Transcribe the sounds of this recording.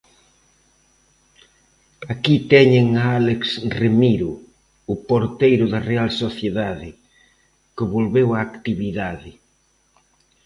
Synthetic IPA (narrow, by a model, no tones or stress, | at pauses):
akit̪ɛɲeŋaaleksremiɾʊ | ʊpoɾt̪ejɾʊðɐrealsoθjeðaðɪ | kɪβolβewaːkt̪iβiðaðɪ